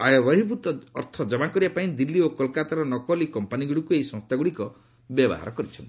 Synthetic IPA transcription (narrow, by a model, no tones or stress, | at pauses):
ajɔbəɦibut̪ɔ̰ːɾt̪ʰɔd͡ʒɔmakɔɾibapaĩd̪ilːiokɔlkat̪aɾɔnɔkɔlikɔmpaniɡuɽikueisɔ̃ŋst̪ʰaɡuɽikɔ | bjɔbɔ̰ɦa̰ɾɔkɔɾit͡ʃʰɔnt̪i